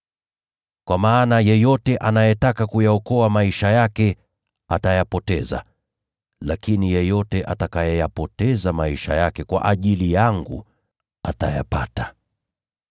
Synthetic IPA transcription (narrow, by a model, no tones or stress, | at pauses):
kwamaːnajɛjɔtɛʔanajɛtakakujaɔkɔamaiʃajakɛ | atajapɔtɛza̰ | lakinijɛjɔtɛʔatakajɛjapɔtɛzamaiʃa̰jakɛkwa̰ʔaʄilijaŋɡṵ | ataja̰patḁ